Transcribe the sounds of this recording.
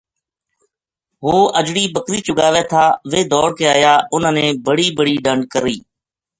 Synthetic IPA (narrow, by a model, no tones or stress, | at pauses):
ɦoːʔəd͡ʒɽiːbəkɾiːt͡ʃʊɡaːʋeːt̪ʰaːʋeːd̪ɔːɽkeːaːjaːʊnnẽːbəɽiːbəɽiːɖəɳɖkəɾiː